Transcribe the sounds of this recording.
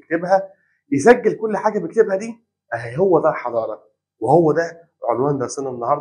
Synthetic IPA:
k̚t̪ebhæ | jesæɡːelkolːħaːɡæbek̚t̪ebhæd̪iː | howːæd̪ælħɑd̪ˤɑːɾˤɑ | wehowːæd̪æ | ʕolwæːnd̪æɾˤsenenːɑhɑɾˤd̪

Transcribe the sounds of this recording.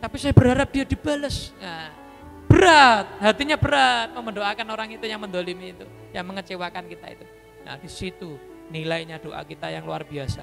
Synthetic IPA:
t̪apisajabəɾɦaɾap̚d̥iadib̥aləsŋa | b̥əɾat̪̚ɦat̪iɲabəɾat̪̚məməndoakanoɾaŋit̪ujaŋmənd̪olimiːt̪u | jaŋməŋət͡ʃewakankit̪a̰ḭt̪u | na̰d̥isit̪u | nilajɲad̥oʔa̰kit̪ajaŋluarbiasa

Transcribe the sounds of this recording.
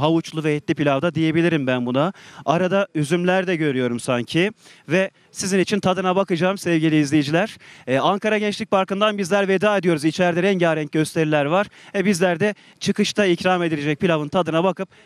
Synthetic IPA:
ɦavut͡ʃlˠuvɛːt̪lʲipʰilʲavd̪ad̪ije̞bilʲiɾimbænbunaaɾad̪ayzymlʲæɾd̪ɛɟø̞ɾyjo̞ɾumsaɲcʰivɛ | sizinit͡ʃʰint̪ʰad̪ɯnabakɯd͡ʒaːmsɛvɟilʲiːzlʲejid͡ʒilʲæɾ̥aŋkʰaɾaɟɛnt͡ʃlʲic̚baɾkɯnd̪anbizlʲæɾved̪aːed̪ijo̞ɾuzit͡ʃʰæɾd̪ɛɾɛɲɟaːɾɛɲc̚ɟø̞st̪ʰeɾilʲæɾvaɾ̥vɛbizlʲæɾd̪ɛ | t͡ʃʰɯkɯʃt̪ʰaicɾaːme̞d̪ilʲed͡ʒɛc̚pʰilʲavɯnt̪ʰad̪ɯnabakɯp̚

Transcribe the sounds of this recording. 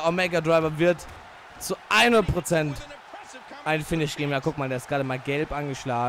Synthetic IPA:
ʔomɛɡadʁaɪvɐvɪɐt | t͡suʔaɪnɐpʁ̥ot͡sɛnt | ʔaɪnfɪnɪʃɡ̥eːbm̩jaːkʊk̚maːldeːɐɪstɡ̥ʁaːdəmaːlɡɛlpʔanɡəʃlaːɡ

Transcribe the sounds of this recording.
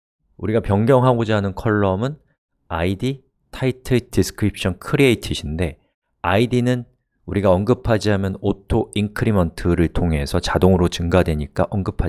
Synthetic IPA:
uɾiɡapjʌŋɡjʌŋɦaɡod͡ʑaɦanɯnkʰʌɭːʌmɯn | aidi | tʰaitʰɯdisʰɯ̥kʰɾip̚ɕ͈ʌnkʰɯɾieitʰiɕʰinde̞ | aidinɯn | uɾiɡaʌnɡɯpʰad͡ʑiɦamjʌnotʰoinkʰɯɾimʌntʰɯɾɯɭtʰoŋɦe̞sʰʌt͡ɕadoŋɯɾot͡ɕɯŋɡadwe̞ɲik͈aʔʌnɡɯpʰa

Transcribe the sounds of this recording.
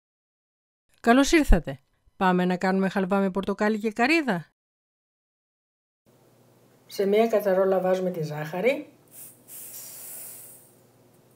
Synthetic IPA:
kɐlo̞siɾθɐt̪e̞ | pɐme̞nɐkɐnume̞xɐlvɐme̞po̞ɾt̪o̞kɐlice̞kɐɾiðɐ | se̞miɐkɐt͡sɐɾo̞lɐvɐzume̞t̪izɐxɐɾi

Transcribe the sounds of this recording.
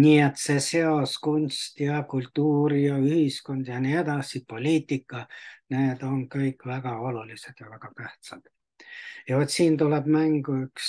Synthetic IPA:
nʲiːet̪se̞se̞o̞skunʲst̪jɑkult̪ːuːɾijɑyhisko̞nd̪̥jɑnied̪ɑsipo̞lʲiːt̪ːˑikːɑneːd̪̥o̞ŋkɤjkːvæɡ̥ɑo̞lulised̪̥jɑvæɡ̥ɑkæht̪sɑ̰d̪̥ | jɑot̪siːnt̪uleb̥mæŋɡ̥uyks

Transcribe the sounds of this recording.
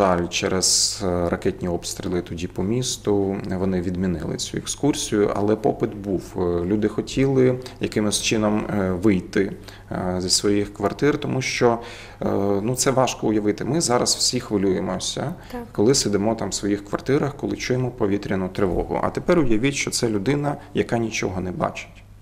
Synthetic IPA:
ɑlʲt͡ʃɛɾɛz̥rɐkɛtʲnʲiɔpst̪ɾʲilˠɪt̪ɔdʲipɔmʲist̪ʊʋɔnɪʋʲid̪mʲinɪ̰lˠɪ̰t͡sʲuekskursʲijʊʔɐ̰lˠɛpɔpɪt̪buwlʲud̪ɪxɔtʲʰilˠɪjɐkɪmɪsʲt͡ʃɪnɔmʋɪjt̪ɪ | zʲisʋɔjixkʋɐrt̪ɪrt̪ɔmuʃt͡ʃɔ | nut̪sɛʋɑʃkɔʊjɐʋɪt̪ɪmɪzɑɾɐsw̥sʲixʋɪlʲujemɔsʲɐ̰ | kɔlˠɪsɪd̪ɪmɔt̪ɑmsʋɔjixkʋɐrt̪ɪɾɐxkɔlˠɪt͡ʃujemɔpɔʋʲit̪ʲɾʲɐnʊt̪ɾɪʋɔ̰ɦʊ̰ʔɐ̰t̪epɛɾʊjɐʋʲitʲʃt͡ʃɔt̪sɛlʲʊd̪ɪnɐjɐkɑnʲit͡ʃɔɦɔnɛbɑ̰t͡ʃɪ̥tʲ

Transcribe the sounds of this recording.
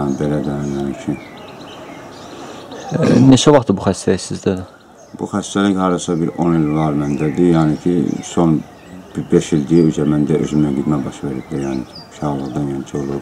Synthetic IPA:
ɑnbelæd̪æjænit͡ʃʰyn | net͡ʃʰævɑχt̪ɯbuxæst̪æliçsizd̪æd̪ | b̥uxæst̪æliçhɑɾd̪ɑsɑbiɾonilvɑɾmænd̪æd̪ijæːnicʰḭso̞n | b̥ibeʃild̪iiyzæɾmænd̪æʔøzymnæɡid̪mæbɑʃveɾipd̪æjæːniʃɑɣlˠɯɣd̪ɑnjænit͡ʃʰolˠub

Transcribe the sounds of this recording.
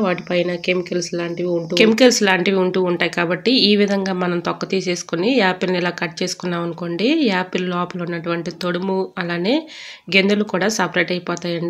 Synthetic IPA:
ʋaːʈipɐjnɐkemikɐlsilaːɳʈiʋiuɳʈuːkemikɐlsilaːɳʈiʋiuɳʈuːuɳʈaːjikaːbɐʈːiiːʋid̪ʱɐŋɡaːmɐnɐmt̪ɔkːɐt̪iːse̞ːsu̥kunijaːpilnilaːkɐʈ̚ːt͡ʃe̞ːsu̥kunːaːʋɐnuko̞ɳɖiaːpilulɔːpɐlunːɐʈuʋɐɳʈit̪oɽumuɐlaːne̞ːɡe̞nd̪ulukuːɽaːsɐpɾɐjʈɐjpɔːt̪aːjɐɳɖi

